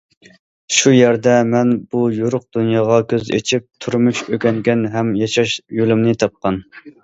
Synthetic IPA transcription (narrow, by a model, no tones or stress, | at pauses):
ʃujæɾd̪ɛmɛnbujuɾʊq̚d̪unjɑːʁɑkʲʰøzḛt͡ʃʰip̚t̪ʰuɾmuʃøɡʲɛŋɡʲɛnɦɛmjɑʃɑʃjolymnɪt̪ʰɑp̚qɑn